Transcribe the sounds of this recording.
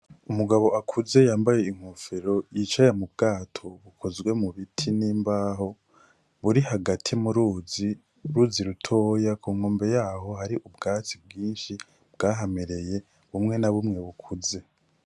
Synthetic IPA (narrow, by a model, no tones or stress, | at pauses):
umuɡaβo̞ʔakʰuze̞jaːmbaje̞iŋ̥hufeɾo̞jit͡ʃajamub̚ɡaːtʰo̞βukʰozɡwe̞muβitʰiniːmbaːɦo̞ | βuɾihaɡatʰimuɾuːzi | ɾuziɾutʰo̞ːjakʰuːŋ̥oːmbe̞jaːɦo̞ɦaɾiʔubɡaːt͡sib̚ɡiːnʃi | bɡaːɦameɾe̞je̞ | βumŋe̞naβumŋe̞βukʰuze̞